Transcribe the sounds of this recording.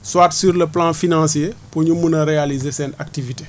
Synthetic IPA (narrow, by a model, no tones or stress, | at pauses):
swaːtsyːɾləplãfinãsjepuɲumunɐɾealizesɛːnak̚tivite